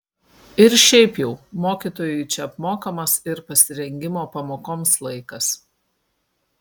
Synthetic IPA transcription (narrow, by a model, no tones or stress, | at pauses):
ɪɾʃʲɛɪpjɛʊmoːkʲiːˑt̪oːjʊɪt͡ʃʲɛɐpmoːkɐmɐsɪɾpɐsʲɪɾʲɛŋʲɡʲɪmoːpɐmoːkoːmslˠɐɪkɐs